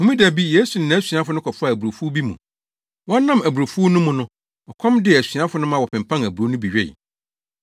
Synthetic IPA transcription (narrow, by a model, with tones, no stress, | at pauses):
hʊ̃˨mĩ˦dæ˨bi˦je˦su˨n˨nã˨˦si˨a˦fʊ˦nʊ̃˦kʰɔ˨fʊ˦a˨æ˨bu˨ɾo˨fu˦bi˦mṵ̃˨ | wɔ̃˦nã˦mæ˨bu˨ɾo˨fu˦nʊ̃˦mʊ̃˨nʊ̃˦ | ɔ˨kʰɔ̃˦mdɪ˦ɛ˨æ˨sɥa˦fʊ˦nʊ̃˦mã˦wɔ˨pɪ̃˨m̩˨pʰã˦næ˨bɾo˨˦nʊ̃˦bi˨ɥᶣḛ˦˨